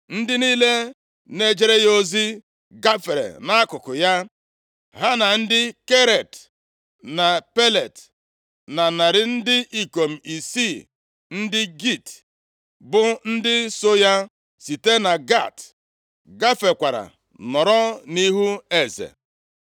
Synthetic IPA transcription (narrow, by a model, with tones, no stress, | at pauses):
n̩˦dɪ˦niː˦le˦ | ne˦d͡ʒe˦ɾe˦jo˦zi˦ | ɡa˦fe˨ɾḛ˨na˦a˦kʊ˨kʊ˨ja˦ | ɦa˦na˨n̩˦dɪ˦ke˦ɾe˨t | na˨pe˦le˨t | na˨na˨ɾɪ˦n̩˦dɪ˦ʔi˨ko˨m̩˨i˨si˦˨ | n̩˦dɪ˦ɡi˦˨t | bʊ˦n̩˦dɪ˦so˦ja˦ | si˨te˦na˨ɡa˦˨t | ɡa˦fe˨kʷa˨ɾa̰˨ | nɔ˨ɾɔ˦ni˦ɦu˦e˨zḛ˨